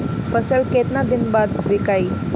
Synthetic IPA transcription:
fəsəlkeːt̪nãd̪ɪnbaːd̪ʋɪkai

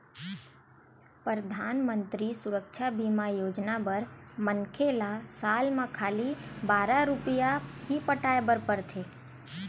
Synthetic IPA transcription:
pɾəd̪ʱaːnmə̃nt̪ɾisʊɾəkʃabiːmajoːd͡ʒnabəɾmənkʰelasaːlmãkʰaːlibaːɾaɾʊpijaɦipəʈaːebəɾpəɾt̪ʰeː

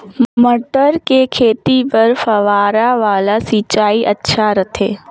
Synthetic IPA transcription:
məʈəɾkekʰeːt̪ipəɾfɐʋaːɾaʋaːlasit͡ʃaːiʔətːʃʰaɾɐt̪ʰḛː

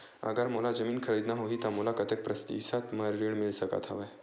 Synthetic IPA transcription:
ə̰ɡaɾmolad͡zəmiːnkʰəɾəjt̪naɦoɦit̪amolakət̪ʰek̚pɾəst̪ḭsat̪məɾɾiɳmilsəka̰t̪ʰa̰ʋaj

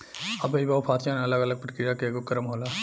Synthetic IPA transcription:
ɐbeibaːupʰaːsjaneɐləɡəɐləɡ̚pɾəkɾijakeːɡokɐɾəmɦoːlaː

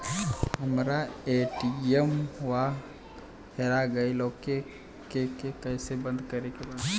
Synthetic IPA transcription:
ɦəmɾaeʈiemwa | hʰeɾaɡəiloːke | kekekəɪsebə̃nd̪kəɾekebad̪

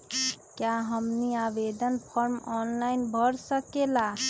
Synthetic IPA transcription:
kjaɦəmniabed̪ənpʰəɾmɔnlainbʱəɾsəkela

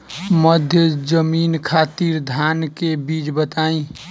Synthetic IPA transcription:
məd̪ʱjəd͡ʒəminkʰat̪iɾd̪ʱankebit͡ʃbət̪aĩ

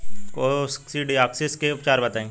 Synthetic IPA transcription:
kosksiɖiaːkseskeʊpt͡ʃaːɾbɐt̪aːẽː

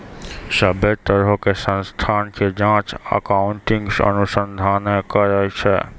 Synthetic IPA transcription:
ʃɐbʱet̪əɾɦokesə̃nst̪ʰaːnked͡ʒãːt͡ʃɐ̰kaːʊɳʈɪ̃ŋɡsɐ̰nʊsə̃nd̪ʱaːnəkɐɾət͡ʃʰɛ̰

